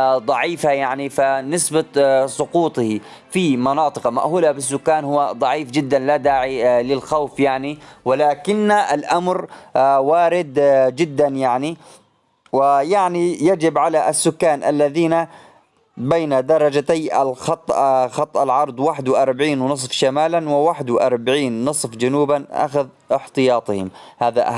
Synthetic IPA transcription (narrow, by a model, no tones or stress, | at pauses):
d̪ˤɑʕiːfajaʕnifanɪsbasˤʊquːt̪ˤhi | fimɑnɑːt̪ˤɨqɑma̰ʔhuːlabɪsːʊkːaːnhʊwːad̪ˤɑʕiːfd͡ʒɪd̪ːanlad̪aːʕilɪlxawfjaʕniwɪlaːkɪnːaʔalʔamɾwaːɾɪd̪d͡ʒɪd̪ːanjaʕni | wɪjaʕnijad͡ʒɪbʕalaʔasːʊkːaːnʔa̰lːaðiːna | bejnad̪ɑɾˤɑd͡ʒat̪aja̰lxɑt̪ˤːxɑt̪ˤːʔalʕɑɾˤd̪ˤwaːħɪd̪wʔɑɾˤbaʕiːnwnɨs̬ˤfʃamaːlanwɪwaħɪd̪wʔɑɾˤbaʕiːnːɨsˤfd͡ʒanuːbanʔa̰xað | ɪħt̪ɨjɑːt̪ˤɨhɪ̰mhaːðaʔa